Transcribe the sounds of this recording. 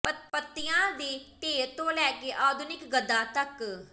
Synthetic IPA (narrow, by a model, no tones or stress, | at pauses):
pəpət̪ːɪjãːd̪iːt̪eːt̪õːlɛːkeːʔaːd̪ʊnɪkɡəd̪ːaːt̪ək